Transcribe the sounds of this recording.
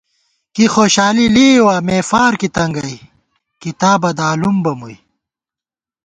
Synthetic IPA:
kixoːɕaːliliːwaːmeːfaːɾkit̪ɐŋɡɐj | kit̪aːbɐd̪aːlumbɐmuj

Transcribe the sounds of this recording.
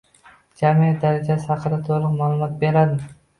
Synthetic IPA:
d͡ʒamijat̪̚d̪aɾad͡ʒashaqɾat̪ʰolˠɨqmaːlˠʊmɒt̪̚be̞ɾad̪ɪ

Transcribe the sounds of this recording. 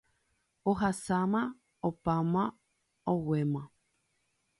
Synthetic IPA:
oɦasamã | opamã | owemã

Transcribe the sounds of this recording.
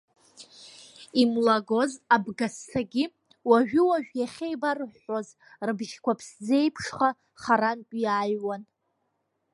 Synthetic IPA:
imlaɡo̞zabɡastʰaɡʲi | waʒᶣʏwaʒᶣjaχʲejbarħoz | rɨbʒkʷʰapʰsd͡ze̞jpʰʂχa | χaɾankʼjaːjwan

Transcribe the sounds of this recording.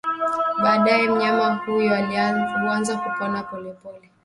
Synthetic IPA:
ɓaːɗajɛm̩ɲamahujauanzakupɔnapɔlɛpɔlɛ

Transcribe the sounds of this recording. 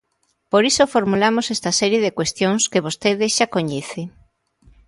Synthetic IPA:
poɾisofoɾmulamosest̪asɛɾjeðekwest̪joŋskeβost̪eðeʃakoɲeθe

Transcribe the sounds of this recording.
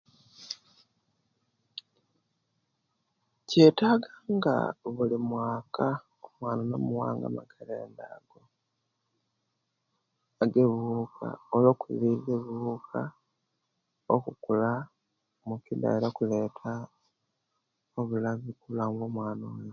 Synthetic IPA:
ceːtaːɡaːŋɡa̰βulimwaːka | omwaːnano̰muwa̰ːŋɡa̰ma̰kalḛːndaːɡ̥o | aɡeβuːkʰa̰olo̞ːkuβileβukʰa | okukula | mukida̰iɾakuleːtʰa | oβulaβikulaːŋɡomwaːnoweo

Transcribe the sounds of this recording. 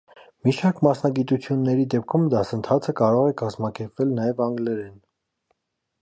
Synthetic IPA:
miʃɑɾkmɑsnɑɡit̪ut͡sʰjunːɛɾid̪ɛp̚kʰumd̪ɑsənt̪ʰɑt͡sʰəkɑɾɔʁɛkɑzmɑkɛɾpvɛlnɑjɛvɑŋɡlɛɾɛn

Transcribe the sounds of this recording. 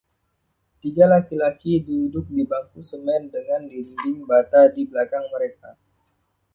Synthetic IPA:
t̪iɡalakilakidudʊk̚dibaŋkusəmɛndəŋandildɪŋbat̪adibəlakaŋməɾeka

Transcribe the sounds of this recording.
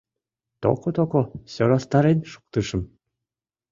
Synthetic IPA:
t̪o̰kot̪okosʲoɾɑst̪ɑɾenʲʃu̥k̚t̪ɯʃɤ̆m

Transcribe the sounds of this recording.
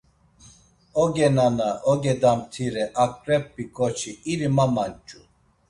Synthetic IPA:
ɔɡɛnanaʔɔɡɛd̪amt̪ʰiɾɛʔakʼɾɛpːikʼɔt͡ʃʰiiɾimamant͡ʃʼu

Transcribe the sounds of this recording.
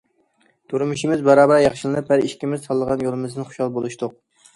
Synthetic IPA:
t̪ʰuɾɨmuʃimɪzbæɾɑːbæɾjɑχʃilˠɨnɨp̚hæɾiʃkʲimɪz̥sɑlˠːəʁɑnjolˠɨmɨzd̪ɨnχo̥ʃɑlˠbolˠuʃt̪ʊq̚

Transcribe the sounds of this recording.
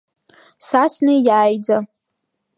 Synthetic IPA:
sasnejaːjd͡za

